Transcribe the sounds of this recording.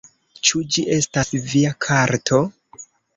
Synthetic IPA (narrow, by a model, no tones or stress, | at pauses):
t͡ʃud͡ʒiʔe̞stasviakʰaɾtʰo̞